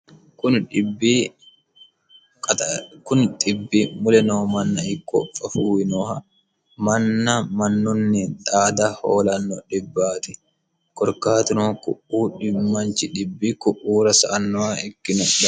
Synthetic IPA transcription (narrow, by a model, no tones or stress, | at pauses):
kʊɪbi | kʊnt̪ɪbːɪmʊlɛnoːmɐnːɐɪkːɔ̰fʼɐfuːwɪnɔːhɐ | mɐnːɐmɐnːʊnːɪt̪ʼaːd̪ɐho̰ːlɐnːɔᶑɪbːaːt̪ɪ | kɔɾkaːt̪ɪnokʊʔuːᶑɪmɐnt͡ʃɪᶑɪbːɪkʊʔuːɾɐsɐʔɐnːɔɐɛkːɪnɔᶑɐ